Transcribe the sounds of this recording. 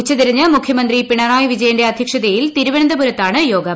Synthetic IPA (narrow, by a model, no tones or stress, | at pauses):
ut͡ɕːɐt̪iɾiɲːɐmukʰjɐmɐnd̪ripiɳɐraːjɐʋid͡ʑɐjɐndeɐd̪ʱjɐkʂɐd̪ɐjilt̪iɾuʋend̪ɐbuɾɐt̪ːaːɳɨjo̞ːɡɐ